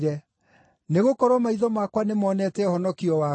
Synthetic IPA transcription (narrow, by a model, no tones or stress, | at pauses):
ɾɛ | neɣokɔɾwɔmaiðɔmakwanemɔːnɛtɛhɔnɔkiɔwa